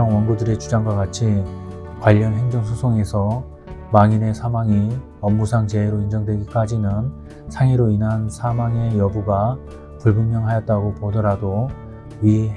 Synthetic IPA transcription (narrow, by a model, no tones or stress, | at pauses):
ʌŋwʌnɡudɯɾe̞t͡ɕud͡ʑaŋɡwaɡat͡ɕʰi | kwaʎːʌnɦe̞ŋd͡ʑʌŋsʰusʰoŋe̞sʰʌ | maŋine̞sʰamaŋi | ʌmːusʰaŋt͡ɕe̞eɾoind͡ʑʌŋdwe̞ɡik͈ad͡ʑinɯn | sʰaŋiɾoinɦansʰamaŋe̞jʌbuɡa | puɭbunːjʌŋɦajʌt̚t͈aɡopodʌɾado | ɥi